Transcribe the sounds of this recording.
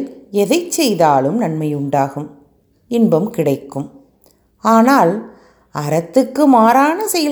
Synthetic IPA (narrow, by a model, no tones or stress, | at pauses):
ɛðɐɪt͡ʃːɛjðaːlɯmnɐnmɐjʊɳɖaːɣɯm | ɪnbɐmkɪɽɐɪkːɯm | aːnaːl | ʔɐɾɐt̪ːɯkːɯmaːɾaːnɐsɛjɐ